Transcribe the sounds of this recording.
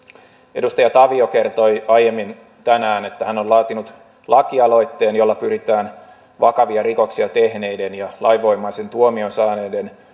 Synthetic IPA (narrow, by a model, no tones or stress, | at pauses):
e̞dust̪ɑjɑt̪ɑʋio̞ke̞rt̪o̞jɑje̞mːin | t̪ænæːne̞t̪ːæhænolɑːt̪inut̪ | lɑkiɑlo̞jt̪ːe̞ːnjo̞lːɑpyɾit̪æːn | ʋɑkɑʋiɑɾiko̞ksiɑt̪e̞hne̞jde̞njɑlʔɑjʋo̞jmɑːnse̞nt̪uomionsɑːne̞ːde̞n